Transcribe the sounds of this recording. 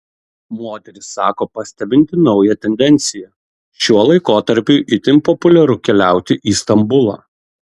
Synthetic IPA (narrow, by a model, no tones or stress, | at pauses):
moːt̪ʲɛɾʲɪsːɑːkoːpɐsʲt̪ʲɛbʲɪnʲt̪ʲɪnɒʊjɛt̪ʲɛnʲd̪ʲɛnʲt̪sʲɪjɛ | ʃʲuɔlˠɐɪkoːt̪ɐɾʲpʲuʔɪt̪ʲɪnpɔpʊlʲɛɾʊkʲɛlʲæˑʊt̪ʲɪʔiːst̪ɐmbʊlˠɑ̰ː